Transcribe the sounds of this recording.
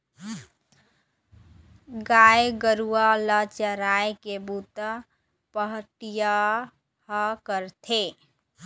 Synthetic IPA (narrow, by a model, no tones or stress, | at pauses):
ɡajɡəɾualət͡ʃəɾajkebut̪ə | pəɦʈija | həkəɾt̪ʰe